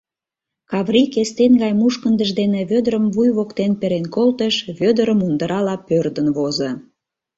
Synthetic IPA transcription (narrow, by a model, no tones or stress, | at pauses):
kɑβrikest̪enɡɑjmuʃkənd̪əʒd̪eneβød̪əɾəmvujβokt̪enpeɾenkolt̪əʃβød̪əɾəmund̪əɾɑlɑpørd̪ənβozə